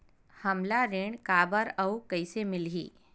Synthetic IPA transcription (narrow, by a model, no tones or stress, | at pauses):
hɐmlaɾeːɳkaːbəɾəwkɐisemɪlɦḭː